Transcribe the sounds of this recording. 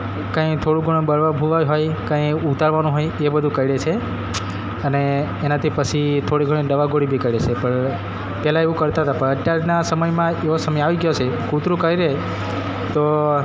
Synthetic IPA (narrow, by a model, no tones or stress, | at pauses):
kə̃it̪ʰoɽũɡʱuɽ̃obəɭʋabʱuʋajɦojkə̃iut̪aɾʋanũɦojebəd̪ʱũkəiɽet͡ʃʰe | əneːnat̪ʰipət͡ʃʰit̪ʰoɽiɡʱəɽ̃ĩɖəʋaɡoɽibʱikəiɽet͡ʃʰepəɳ | pɛlaeʋũkəɾt̪aɦət̪apəɳət̪jaɾnasəməjmãeʋosəməjaʋiɡjot͡ʃʰekut̪ɾũkəɾiɾee | t̪o